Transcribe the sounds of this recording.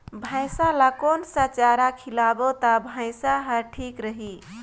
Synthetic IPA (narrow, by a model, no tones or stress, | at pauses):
bʱãɪ̃salakonsə̃t͡ʃaɾakʰilabot̪abʱãɪ̃saɦəʈʰikɾəɦi